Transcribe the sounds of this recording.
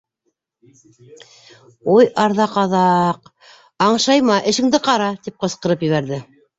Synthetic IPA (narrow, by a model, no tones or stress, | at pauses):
ujɑɾðɑqɑðɑq | ɑɴʃɑjmɑʔɘ̆ʃɘ̆ŋd̪ɘqɑɾɑt̪ip̚qɤ̆sqɤ̆ɾɤpjɘ̆βæɾðɘ